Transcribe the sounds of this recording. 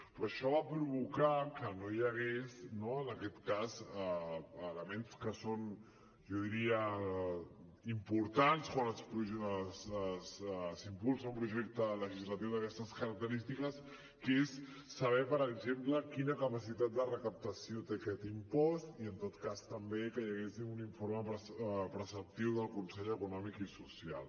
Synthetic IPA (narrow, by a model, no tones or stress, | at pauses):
pɾoʃɔβapɾuβukakənojəɣ̞eznoənəkɛt̪kazəələmenskəson | ʒɔðiɾiə | impuɾt̪anskwanəspuəsszimpulˠsaumpɾuʒek̚t̪ələʒizlət̪iwðəkɛst̪əskəɾək̚t̪əɾist̪ikəs | kesː | əβ̞ɛpəɾəɡzempləkinəkəpəsit̪at̪̚d̪ərəkəp̚t̪əsiot̪ekɛt̪impɔst̪iənt̪ot̪kast̪əmbekəjəɣesinuniɱfoɾməpɾəsəp̚t̪iwðəlˠkunsɛʎəkunɔmikisusialˠ